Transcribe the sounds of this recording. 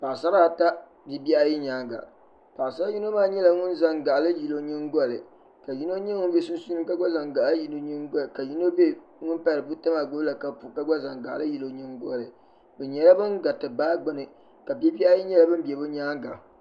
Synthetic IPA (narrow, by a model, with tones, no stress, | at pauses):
pa˨sa˦ɾa˦˨ta˦ | bi˦bi˦a˦ji˦ɲaː˦ŋɡa̰˨ | pa˨sa˦ɾa˦ji˦no˦maː˦ɲɛ˦la˨ŋʊ˦nza˨ŋɡa˨ʔlɨ˦ji˨lo˦ɲi˦ŋɡɔ˦˨lɨ̰˨ | ka˨ji˦no˦ɲɛ˦ŋʊ˦be˦sʊ˦n˦su˦nɨ˦ka˦ɡ͡ba˦za˨ŋɡa˨lji˨˦no˦ɲi˦ŋ˦ɡka˨ji˦no˦be˦ | ŋʊ˦npa˨ɾɨ˨bu˦ta˦ma˨ɡ͡bo˦la˨ka˨pu˨ka˦ɡ͡ba˦za˨ŋɡa̰˨ʔlɨ˦ji˨lo˦ɲi˦ŋɡɔ˦lɨ˨ | bɛ˨ɲɛ˨la˦bɨ˦ŋɡa˨tɨ˨baː˦ɡ͡bɨ˦nɨ˨ | ka˨bi˦bi˦a˦ji˦ɲɛ˦la˦bɨ˦m˦bi˨ɛ˨bɨ˦ɲaː˦ŋɡa̰˨